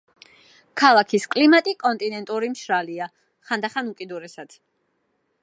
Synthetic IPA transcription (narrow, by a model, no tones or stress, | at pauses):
kʰalˠakʰiskʼlimat̪ʼikʼɔnt̪ʼinɛnt̪ʼuɾimʃɾalia | χand̪aχanukʼid̪uɾɛsad̪̥